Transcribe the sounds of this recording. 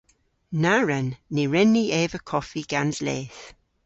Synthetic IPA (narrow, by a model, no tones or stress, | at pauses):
naɹənːiɹɛnːieːvəkʰɔfiɡ̥anzleːθ